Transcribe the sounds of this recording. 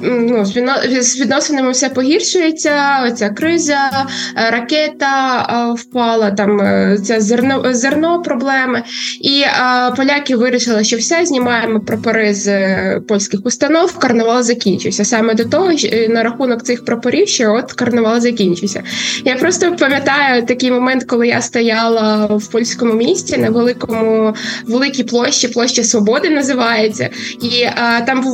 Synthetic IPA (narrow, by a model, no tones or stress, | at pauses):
nuzʋʲizʋʲid̪nɔsenɪmɪwsɛpɔɦʲirʃʊjet͡sʲːɐɔt͡sʲakɾɪzɐɾɐkɛt̪ɐwpɑlˠɐt̪ɑmt͡sʲazernɔzernɔpɾɔblˠɛmɐipɔlʲakʲɪʋɪɾʲiʃɪlˠɪʃt͡ʃɔwsʲɛzʲnʲimɑjemɔpɾɔpɐɾɪzpɔlʲsʲkɪxʊst̪ɐnɔwkɐrnʊʋɑlˠɐzɐkʲinʲt͡ʃʊjsʲɐsɑmɛd̪ɔt̪ɔɦɔnɐɾɐxunɔkt̪sɪxpɾɔpɐɾʲiwʃt͡ʃɛɔt̪kɐrnʊʋɑlˠɐzɐkʲinʲt͡ʃʊjsʲɐ̰japɾɔst̪ɔpɐmʲjɐt̪ɑjʊt̪ɐkɪjmɔmɛnt̪kɔlˠɪjast̪ɐjɑlˠɐwpɔlʲsʲkɔmʊmʲisʲtʲinɐʋelˠɪkɔmʊʋelˠɪkʲijplˠɔʃt͡ʃiplˠɔʃt͡ʃɐsʋɔbɔd̪ɪnɐzɪʋɑjet͡sʲːɐ̰it̪ɑm